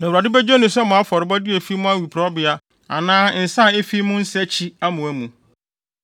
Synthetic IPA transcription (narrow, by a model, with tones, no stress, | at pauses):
nã˨ɾa˨dɪ˦bæ˦d͡ʑᶣɛ˦nʊ̃˨sɛ˦mʊ̃˨a˦fɔ˨ɾɪ˨˦bɔ˦dɪ˦æ˨fi˦mʊ̃˦a˦wi˨pʰɾɔ˦bɪ˨a˦ | a̰˨nãː˦n̩˨sã˦˨e˦fi˦mʊ̃˦n̩˦sɛ˦t͡ɕʰi˦a˦mʊ̃˨æ˨˦mũ˨